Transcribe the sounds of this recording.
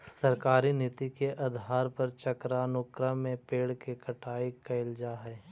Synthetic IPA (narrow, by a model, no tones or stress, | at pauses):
sɐɾkaːɾinɪt̪ikeʔɐd̪ʱaːɾpɐɾt͡ʃɐkɾaːnʊkɾamẽpeːɽkekɐʈʰaːikɐɪld͡ʒaɦɛː